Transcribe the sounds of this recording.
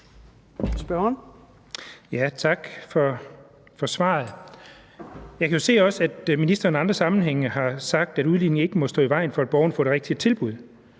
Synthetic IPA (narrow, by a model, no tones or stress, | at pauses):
sb̥ɶn | jæt͡sʰɑ̈ɡ̥fɒ | fɒ̽sʋɑ̰̈ːð̩ˠ | jɑ̈ɪkʰæjo̝se̝̰ːɒ̽səæd̥minisd̥ɐːniɑ̈nd̥ʁɐsɑ̈mn̩ɦeŋ̰əɦɑ̈sɑ̈ɡ̥̚d̥æɾuð̞ˠline̝ŋe̝ɡ̥əmɒ̽sd̥ɔ̰ːiʋɑ̈ɪ̰nfɒ̽æd̥̚b̥ɒʊn̩fɔ̽ːɾ̥eʁeɡ̥̚d̥iət͡sʰe̝lb̥uð̞ˠ